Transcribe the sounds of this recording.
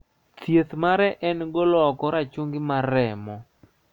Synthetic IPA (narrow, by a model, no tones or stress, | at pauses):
tjet̪maɾɛʔɛnɡɔlɔkɔɾat͡ʃuŋɡɪmaɾɛmɔ